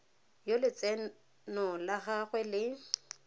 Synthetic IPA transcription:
jolɪt͡sʼɛ | nɔlaχaɣwɛlɪ

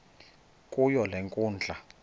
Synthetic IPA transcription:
kʼujɔlɛŋkʼuːnd͡ɮʱa

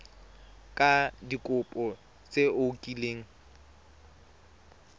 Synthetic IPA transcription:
kʼadikʼʊpʼɔ | t͡sʼeʊkʼileːŋ̩

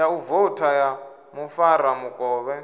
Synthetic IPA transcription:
auvɔtʰaja | mufaɾamukʼɔːβɛ

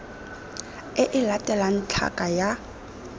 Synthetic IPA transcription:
ɪʔɪlatʼɛlan̩t͡ɬʰa̰kʼaja

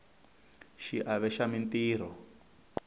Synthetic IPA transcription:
ʃiʔaβɛʃamintiːɾ̤ɔ

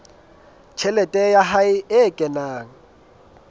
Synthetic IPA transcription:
t͡ʃʰɛlɛtʼɛjaɦaɪɪkʼɛnaːŋ̩

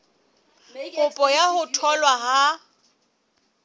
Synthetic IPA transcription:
ʊpʼɔjahʊtʰɔlwaɦa

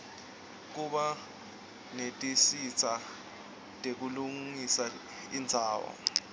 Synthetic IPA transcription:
k̬uɓa | netʼisit͡sʰa | tʼek̬uluŋŋisa | ḭnd͡zʱaːwɔ̰

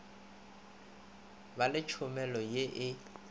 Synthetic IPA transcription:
balɪt͡ʃʰʊmɛlɔjeʔɪ

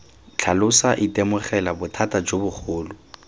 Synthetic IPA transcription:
t͡ɬʰalʊsaʔɪtʼɛmʊχɛlabʊtʰatʼad͡ʒobʊχʊːlʊ

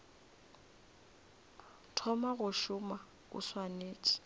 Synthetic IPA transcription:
tʰɔmaɣʊʃʊma | ʊ̰swaneːt͡ʃʼi̥

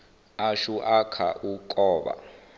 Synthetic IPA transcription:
aʃuʔakʰa̰ʔukʼɔːɓa̰

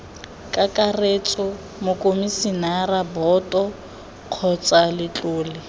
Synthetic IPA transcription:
kʼakʼaret͡sʼɔ | mʊkʼomisinarabɔtʼɔ | q͡χʰɔt͡sʼalɪt͡ɬʼʊːlɪ

